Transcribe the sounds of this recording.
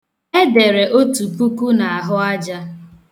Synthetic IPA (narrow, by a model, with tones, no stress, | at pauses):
e˦de˨ɾe˨ʔo˦tu˨pu˦ku˦na˨a˨ɦʊ˦a˦d͡ʒa˦